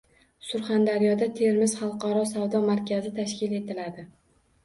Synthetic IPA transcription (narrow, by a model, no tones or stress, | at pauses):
sʊɾχand̪aɾijɒd̪at̪ʰe̞ɾmɪzχɑlˠqɒɾɒsawd̪ɒmaɾkʲʰazɪt̪ʰaʃkʲɪle̞t̪ʰɪlad̪ɪ